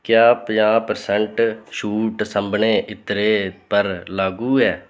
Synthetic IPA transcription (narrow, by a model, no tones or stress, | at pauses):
kjaːpjãːpəɾsəɳʈʃuːʈsəmbɳẽːʔɪt̪ɾeːpəɾlaːɡũːɛː